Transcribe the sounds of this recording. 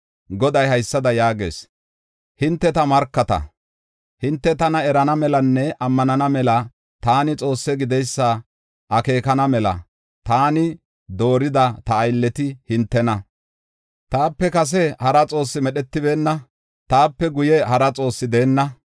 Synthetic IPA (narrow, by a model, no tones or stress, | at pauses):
ɡɔd̪ɐjhɐjsːɐd̪ɐjaːɡe̞̰ːs | hɪnt̪ːɛt̪ɐmɐɾkːɐt̪ɐ̰ | hɪnt̪ːɛt̪ɐnɐɛɾɐnɐmɛlɐnːɛɐmːɐnɐnɐmɛlɐ | t̪aːnɪt͡sʼo̞ːsːɛɡɪd̪ɛjsːɐ | ʔɐke̞ːkɐnɐmɛlɐ̰ | t̪aːnɪ | d̪o̞ːɾɪd̪ɐt̪ɐːjlːɛt̪ɪhɪnt̪ːɛnɐ | t̪aːpːɛkɐs̬ɛhɐɾɐt͡sʼo̞ːsːɪmɛɗɛt̪ːɪbe̞ːnːɐ | t̪aːpːɛɡʊjɛhɐɾɐt͡sʼo̞ːsːɪd̪e̞ːnːɐ